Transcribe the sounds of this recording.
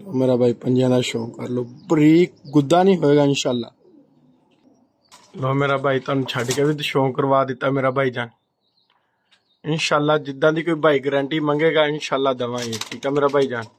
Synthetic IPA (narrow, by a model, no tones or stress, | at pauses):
loːmeːɾaːbʱaːiːpəɲd͡ʒãːd̪aːʃoːkəɾloːpəɾiːk̚ɡʊd̪ːaːnĩːɦoːeːɡaːɪnʃaːlːa̰ː | loːmeːɾaːbʱaːiːt̪ʊaːnũːt͡ʃʰaːɖiːkeːbiːd̪ʃoːkəɾʋaːd̪ɪt̪ːaːmeːɾaːbʱaːiːd͡ʒaːn | ɪnʃaːlːaːd͡ʒɪd̪ːãːd̪iːkoːiːbʱaːiːɡəɾɛ̃ːɳʈiːmə̃ŋɡeːɡaːɪnʃaːlːaːd̪əʋãːĩʈʰiːkaːmeːɾaːbʱaːiːd͡ʒaːn